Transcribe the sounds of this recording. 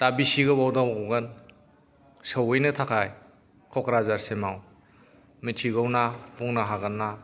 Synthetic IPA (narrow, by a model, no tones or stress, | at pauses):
tabisiɡɯbawdawɡɔɡɯn | səwɯjnɯtʰakʰaj | kʰɔkɾazaɾsemaw | mitʰiɡɯwnapuŋnaɦaɡanːa